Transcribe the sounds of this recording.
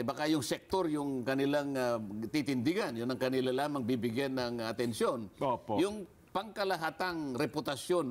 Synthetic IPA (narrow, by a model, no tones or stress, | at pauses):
bɐkajʊŋsɛk̚t̪oɾjʊŋkɐnɪlaŋat̪it̪ɪnd̪ɪɡanjʊnɐŋkɐnɪlalaːmɐŋbibɪɡjɛnːɐŋɐt̪ɛnsjonopojʊŋ | pɐŋkɐlɐɦaːt̪aŋɾɛpʊt̪ɐsjon